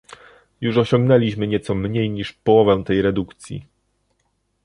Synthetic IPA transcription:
juʂɔɕɔŋɡnɛlʲiɕmɘɲɛt̪sɔmɲejɲiʂpɔwɔvɛw̃t̪ɛjɾɛd̪ukt̪sʲjḭ

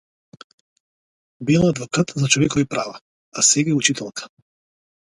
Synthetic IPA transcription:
bilˠaad̪vɔkat̪zat͡ʃɔvɛkɔvipɾava | asɛɡaɛut͡ʃit̪ʰɛlˠkʰḁ

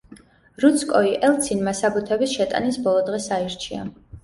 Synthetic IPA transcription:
ɾut̪sʰkʼɔiʔɛlˠt̪sʰinmasabut̪ʰɛbisʃɛt̪ʼa̰nisbɔlˠɔd̪ʁɛsaiɾt͡ʃʰia̰

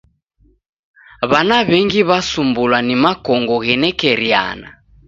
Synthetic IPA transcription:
βanaβɛŋɡiβasumbulwanimakɔŋɡɔɣɛnɛkɛɾja̰na̰

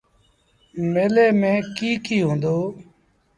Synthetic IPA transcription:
meːleːmẽːkiːkiːɦõːnd̪oː

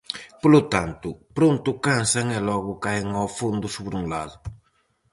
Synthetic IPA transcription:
polʊt̪ant̪ʊpɾont̪ʊkansɐŋɛlɔɣʊkajeŋawfond̪ʊsoβɾuŋlaðʊ

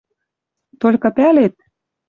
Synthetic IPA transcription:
t̪olʲkɤ̆pælet̪̚

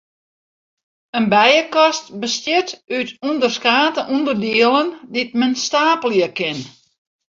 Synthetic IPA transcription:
ənbɛjəkɔstbəstjɪtytundərskaːtəʔundərdiəlˠəndit̚mənstaːpəljəkɪn

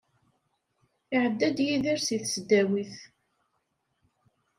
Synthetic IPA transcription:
ɪʕəd̪ːæd̪jiðiɾsiθsd̪ːæwiθ

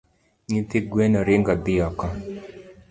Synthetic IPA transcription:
ɲit̪ɪɡwenɔɾɪŋɡɔd̪ɪɔkɔ

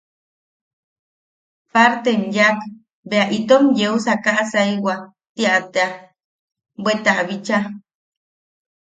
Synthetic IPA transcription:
paɾt̪enjak | beaʔit̪omjeusakaʔsaiwa | t̪iaʔt̪ea | bwet̪aʔβit͡ʃa

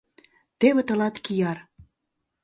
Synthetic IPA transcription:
t̪eβĕt̪ɤ̆lɑt̪kijɑr

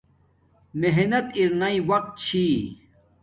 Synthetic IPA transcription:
meɦnɐt̪iɾnaiwɐq̚t̪̚t͡ɕʰi

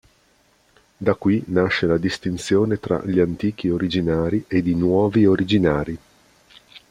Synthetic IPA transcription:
d̪akːwinaʃːelad̪ist̪int̪sjoːnet̪ɾa̰ʎiant̪iːk̟ioɾid͡ʒinaːɾied̪inwɔːvioɾid͡ʒinaːɾi

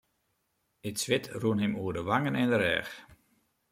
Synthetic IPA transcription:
ɪsʋɪtruənɦɪmuərdəʋaŋənɪndəɾɛ̰ːx

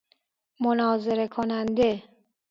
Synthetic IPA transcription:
monɒːzeɾe̞kʰonænd̪e

